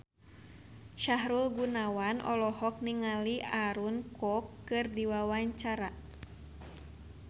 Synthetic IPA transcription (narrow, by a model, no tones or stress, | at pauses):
ʃaɦɾulɡunawanʔɔ̰lɔhɔk̚niŋaliʔaɾunkɔkːɨrdiwawaɲt͡ʃaɾa